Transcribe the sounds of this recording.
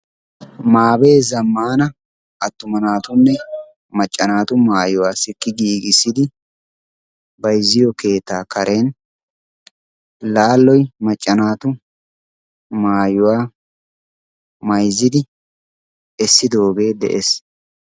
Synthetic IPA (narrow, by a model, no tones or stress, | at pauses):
maːbe̞ːzɐmːaːnɐ | ʔɐt̪ːʊmɐnaːt̪ʊnːɛ | mɐt͡ʃʼːɐnaːt̪ʊmaːjʊwaːsɪkːɪɡiːɡɪsːɪd̪ɪ | bɐjzːɪjɔke̞ːt̪ːaːkɐɾʔe̞ːn | laːlːɔjmɐt͡ʃʼːɐnaːt̪ʊ | maːjʊwaː | mɐjzːɪd̪ɪ | ɛsːɪd̪oːɡe̞ːd̪ɛ̰ʔes